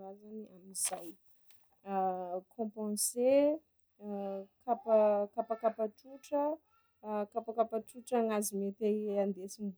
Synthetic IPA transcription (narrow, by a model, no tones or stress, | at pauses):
azaniʔamizaj | kʰɔ̃pɑ̃se | kapakapakapaʈ͡ʂuʈ͡ʂə | kapakapaʈ͡ʂuʈ͡ʂaŋazimet̪eand̪esimb